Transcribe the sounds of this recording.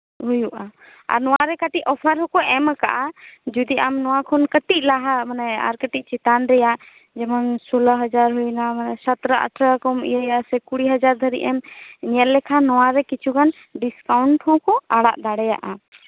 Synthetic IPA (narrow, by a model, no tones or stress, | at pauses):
ɦujuʔa | a̰ɾnɔwaɾɛkaʈiʔɔpʰəɾɦɔkɔɛmaka̰ʔad͡ʒud̪iʔamnɔwakʰɔnkəʈiʔ̚laɦamanɛa̰ɾkəʈic̚t͡ʃɛt̪anɾɛja | d͡ʒɛmansɔlaɦəd͡ʒaɾɦujnamanɛsət̪ɾəʔə̰ʈʰɾəkɔmḭjəjasɛkuɽiɦəd͡ʒaɾd̪ʱəɾḭʔɛmɲiət̪lɛkʰanɔwaɾɛkit͡ʃʰukan | ɖiskawɳʈhɔ̃kɔaɽa̰ʔd̪aɽɛja̰ʔa